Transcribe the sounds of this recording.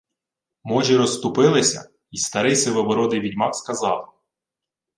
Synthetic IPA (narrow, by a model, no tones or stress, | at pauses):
mɔʒʲiɾɔst̪ʊpɪlˠɪsʲɐ̰ | ist̪ɐɾɪjsɪʋɔʋɔɾɔd̪ɪjʋʲidʲmɑkskɐzɑlˠ